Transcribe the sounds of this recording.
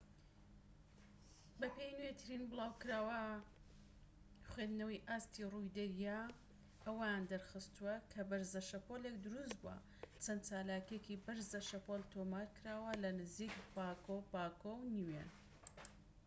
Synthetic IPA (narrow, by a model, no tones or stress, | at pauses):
bɐpejnwet̪ʰɨɾinbɨlaːwkɨɾaːwɐ | χwed̪nɐwiʔaːst̪irujd̪ɐɾja | ʔɐwɐjand̪ɐɾxɨst̪uɐkʰɐbɐɾzɐʃɐpolekd̪ʊɾus̬̚buɐ̰ | t͡sʰɐnd̪t͡ʃaːlaːkekibɨɾzɐʃɐpolt̪ʰomaːɾkɨɾaːwɐlɐnɨzikbaːkowbaːkownwe